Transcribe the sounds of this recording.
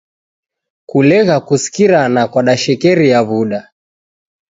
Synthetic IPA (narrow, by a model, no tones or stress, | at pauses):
kulɛɣakusi̥kiɾanakwaɗaʃɛkɛɾijaβuɗa